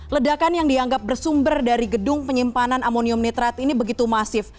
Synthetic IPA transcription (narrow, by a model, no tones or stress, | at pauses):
lədakanjaŋdiaŋɡap̚bərsumbərdaɾiɡədʊŋpəɲimpananamoniʊmnit̪ɾat̪inibəɡit̪umasɪf